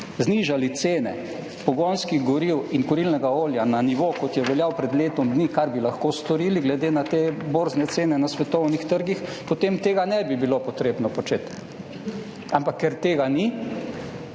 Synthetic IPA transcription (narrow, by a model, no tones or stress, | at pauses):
zniʒalit̪seːnɛ̰ | pɔɡonskiɣɡɔɾiwinkɔɾilnɛɡaoːljananiʋoːkɔt̪jɛʋɛljawpɾɛd̪leːt̪ɔmd̪niːkaɾbilaxkoːst̪ɔɾiːliɡlɛd̪eːnat̪eːboːɾznɛt̪seːnɛnasʋɛt̪ɔwnixt̪əɾɡixpot̪emt̪eːɡanɛbibilopɔt̪ɾeːbnɔpɔt͡ʃeːt̪ | ampakːɛɾt̪eːɡani